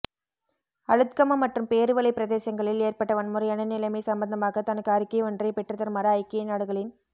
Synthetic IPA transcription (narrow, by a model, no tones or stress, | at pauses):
ɐɻɯt̪kɐmɐmːɐʈrɯmpeːɾɯʋɐɭɐɪpɪɾɐðeːsɐŋɡɐɭɪleːrpɐʈːɐʋɐnmʊɾɐjɐnɐnːɪlɐɪmɐɪsɐmbɐnd̪ɐmaːɣɐt̪ɐnɐkːaːɾɪkːɐjɔndrɐɪpɛʈrɐt̪ːɐɾmɐɾɐːɪkːɐjɐnaːɽɯɣɐɭɪn